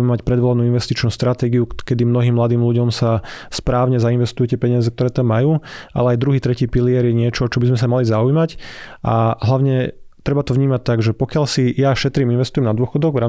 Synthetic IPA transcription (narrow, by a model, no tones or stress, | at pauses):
ɛmɛmacpɾɛd̪ʋɔlanuːinʋɛst̪it͡ʃnuːst̪ɾat̪ɛːɡiukɛd̪imnɔɦiːmːlad̪iːmluɟɔmsaspɾaːʊɲɛzainʋɛst̪ujɛcɛpɛɲɪazɛk̚t̪ɔɾɛːt̪amːajuːa̰lɛajd̪ɾuɦiːt̪ɾɛciːpiliɛɾjɛɲɪɛt͡ʃɔt͡ʃɔbizmɛs̬amalizaujmacʔaɦlaʊɲɛt̪ɾɛbat̪ɔʋɲiːmac̚t̪ːaɡʒɛpɔkɪaʎsijaʃɛt̪ɾiːminʋɛst̪ujɛmnad̪ʊɔxɔd̪ɔɡvɾaːm